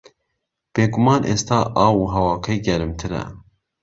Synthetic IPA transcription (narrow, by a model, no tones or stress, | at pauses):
b̥eːɡumɑːnʔḛːst̪ʰɑːʔɑːwuːɦɛwɑːkʰɛjɡɛɾɨmt̪ʰɨɾɛ̰